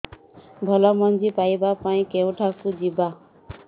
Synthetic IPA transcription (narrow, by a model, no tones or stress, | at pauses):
bʱɔlɔmɔnd͡ʒipajbapaĩkewʈʰakud͡ʒiba